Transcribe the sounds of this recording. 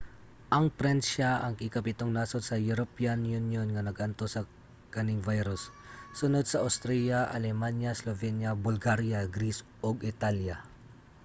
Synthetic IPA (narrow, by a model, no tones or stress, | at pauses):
ʔɐŋpɾɛnʃaʔɐŋkɪkɐpɪt̪oŋnaːsot̪̚sɐjʊɾopianjunjonŋɐnɐɡʔɐnt̪osɐ | kɐnɪŋvajɾʊsː | ʊnod̪̚sɐɐwst̪ɾɛjaʔɐ̰lɛmanjɐslovɛnjɐbʊlɡaɾjaɡɾisʔoɡɪt̪alja